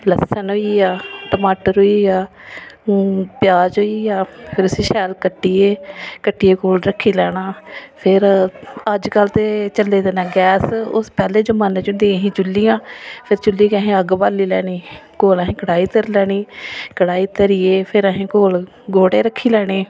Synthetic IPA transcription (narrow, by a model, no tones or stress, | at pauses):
ləsənɦoːiːaːʈəmaːʈəɾɦoːiːaː | pjaːd͡ʒɦoːiːaːpʰɪɾʊsiːʃɛːlkəʈːiːeːkəʈːiːeːkoːlɾəkʰːiːlɛːɽ̃aːpʰɪɾəd͡ʒkəlt̪eːt͡ʃəleːd̪eːnɛ̃ːɡɛːsʊ̰spɛːleːd͡ʒəmaːneːt͡ʃʊnd̪ĩːəɦĩːt͡ʃʊlːiːjãːpʰɪɾt͡ʃʊlːiːkɛɦẽːəɡbaːliːlɛːɽiːkoːləɦẽːkəɽaːiːt̪əɾlɛːɽ̃iːkəɽaːiːt̪əɾiːeːpʰɪɾəɦĩːkoːl | ɡoːɽeːɾəkʰːiːlɛːɽ̃eː